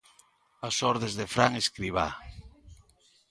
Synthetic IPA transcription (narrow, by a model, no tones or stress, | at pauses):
asɔɾðezðefɾaŋeskɾiβa̰